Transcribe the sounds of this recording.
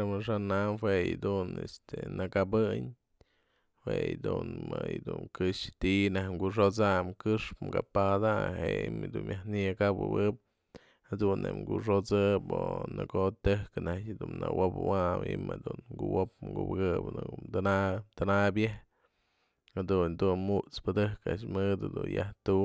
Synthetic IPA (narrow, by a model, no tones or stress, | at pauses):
amɨʂ̬anamhwejd̪unest̪enɨkabɨɲ | hwejd̪unmajd̪unkɨʂt̪inahŋɡuʂ̬ot͡samkɨʂpmkapad̪aheimd̪unmjʔahnikabɨwɨp̚ | had̪unːḛʔŋɡuʂ̬ot͡sɨponɨkot̪ɨhkɨnad̪unːawopwabimad̪unɡuwop̚mɡubɨɡɨpnt̪anat̪anabjeh | had̪und̪unmuʔt͡spɨd̪ɨhkaʔaʃmɨd̪ɨd̪unjaht̪u